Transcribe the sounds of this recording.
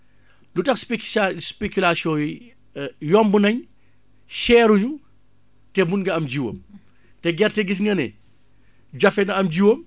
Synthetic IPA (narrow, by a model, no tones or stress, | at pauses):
lutɐxspespekulasjɔ̃ːji | jɔmbunɐɲ | ʃɛːɾuɲu | tɛmunɡɐɐmd͡ʒiwɐ̰m | tɛɡɛrtɛɡis̬ŋɡɐnɛ̰ | ɟɐfɛnɐɐmd͡ʒiwɐm